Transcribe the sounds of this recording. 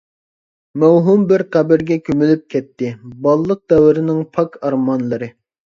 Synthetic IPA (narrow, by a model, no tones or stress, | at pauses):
mæwɦumbɪɾqæbɪɾɡʲɛkʲʰømylyp̚kʲʰɛt̪ʰːɪbɑlˠlːˠəq̚d̪ɛwɪɾɪnɪŋpʰɑkʰɑɾmɑnlˠɨɾɨ